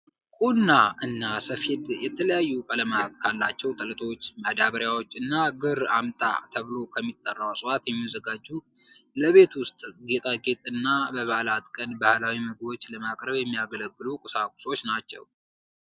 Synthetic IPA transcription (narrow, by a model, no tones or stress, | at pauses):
kʼunːaʔɨnːasəfid̪jɛt̪ʰələjajːukʼələmat̪kʰalːat͡ʃːɛwt̪ʼələt̪ʰo̞t͡ʃːməd̪aβəɾjawo̞t͡ʃːɨnːaɡɨɾamt̪ʼa̰t̪ʰəβɨlo̞kʰəmːit̪ʼːərːawsʼɨwat̪jɛmːizəɡad͡ʒːuləβe̞t̪wʊst̪ʼɡe̞t̪ʼaɡe̞t̪ʼɨnːabəβahlat̪kʼənbahlawiməɡbo̞t͡ʃːləmakʼɾəβjɛmːijaɡələɡːɨlukʼɨsakʼu̥so̞t͡ʃːnat͡ʃːɛ̰w